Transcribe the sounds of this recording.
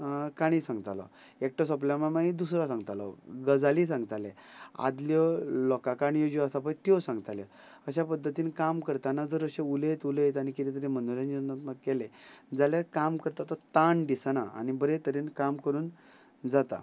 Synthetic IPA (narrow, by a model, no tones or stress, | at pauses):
kaɽ̃ĩsãŋɡt̪alɔ̰ | ek̚ʈɔsɔplamamaid̪usɾasãŋɡt̪alɔ̰ɡəd͡zalisãŋɡt̪alẽa̰d̪ljɔlɔkakaɳjod͡ʑɔasap̬ait̪jɔsãŋɡt̪ale | əɕapəd̪ʱːət̪iːnkamkəɾt̪anad͡zəɾəɕeulet̪ulejt̪añikit̪it̪əɾemənuɾãnd͡ʑəəməkːɛled͡zaljaɾkamkəɾt̪at̪ɔt̪aɳɖisanaa̰nibəɾet̪əɾenkamkəɾuːn | d͡zat̪a̰